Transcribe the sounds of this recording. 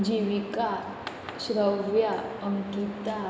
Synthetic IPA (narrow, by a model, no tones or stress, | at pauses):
d͡ʑiʋika | ɕɾəʋjaəŋkit̪a